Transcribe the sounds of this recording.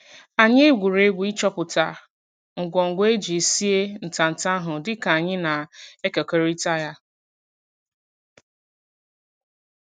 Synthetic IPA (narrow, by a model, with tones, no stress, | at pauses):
a˨ɲɪ˦ɡʷu˨ɾe˦ɡʷi˦t͡ʃɔ˦pʊ˨ta̰˨ | ŋ̩˨ɡʷɔ˨ŋ̩˨ɡʷe˦d͡ʒi˨si˦e˦n̩˨ta˨n̩˨ta˦ɦʊ˨dɪ˦ka˨a˨ɲɪ˦na˨e˦ke˨ke˦ɾi˦ta˦ja˦